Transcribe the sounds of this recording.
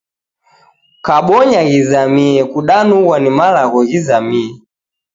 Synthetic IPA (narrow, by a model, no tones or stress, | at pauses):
kaɓɔɲaɣizamiɛkuɗanuɣwanimalaɣɔɣizamiɛ